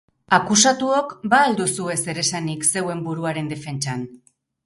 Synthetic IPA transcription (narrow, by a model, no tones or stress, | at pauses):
akusat̪uo̞kbaːld̪usue̞se̞ɾe̞sanikse̞we̞mbuɾuaɾe̞nd̪e̞fe̞nt͡ʃan